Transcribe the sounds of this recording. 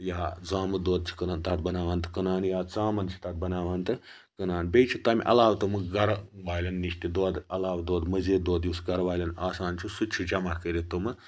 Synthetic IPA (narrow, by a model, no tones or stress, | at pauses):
jaːd͡zaːmɨd̪oːd̪̚t͡ʃʰi̥kɐnaːnt̪aʈ̪̚bɐnaːʋaːnt̪ɨkɐnaːnjaːt͡saːmɐnt͡ʃʰi̥t̪aʈ̪̚bɐnaːʋaːnt̪ɨ | kɐnaːnbʲejt͡ʃʰut̪ɐmʲḭʔɐ̰laːʋt̪umɨɡɐɾʋaːlʲɐnːiʃt̪id̪oːd̪ɐlaːʋd̪oːd̪mɐzeːd̪oːd̪jusɡɐɾʋaːlʲɐnaːsaːnt͡ʃʰusut͡ʃʰud͡ʒɐmakəɾet̪umɨ